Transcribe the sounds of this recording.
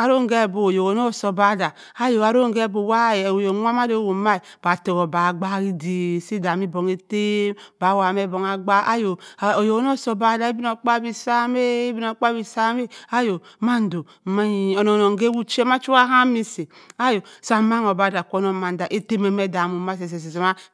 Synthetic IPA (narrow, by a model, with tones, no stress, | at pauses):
a˨ɾo˦ŋ˦ɡe˦˨bo˨o˨jo˨o˨˦no˦˨so˨ba˦da˨ | a˦jo˨a˨ɾo˦ŋ˦ɡe˦bo˨wa˦˨jo˨˦ŋʷa˦ma˦do˦˨wo˨˦ma˦i˨b̥a˨te˨ɣo˨ba˨ɡ͡ba˦ɣi˦di˨si˦da˨mi˦bo˨ŋe˦te˦mba˨˦wa˨me˦bo˨ŋa˨ɡ͡ba˦a˦jo˨o˨jo˨o˦no˦so˨ba˦da˨i˦bi˦no˨k͡pa˦bi˨sa˦me˦bi˦no˨˦k͡pa˦bi˦˨sa˦me˦a˦jo˨ma˦n˦do˨ma˦ɲi˨o˨no˨no˨ŋ˦ɡe˦wu˦t͡ʃe˦ma˦t͡ʃu˦a˦ɦa˦mi˦si˨a˦jo˨sa˨ma˦ŋo˨ba˦˨da˨kʷo˦no˨˦ma˨n˦da˨ʔe˦te˦me˨me˦da˨mu˨ma˦s̬e˨s̬e˨s̬e˨s̬e˨ma˦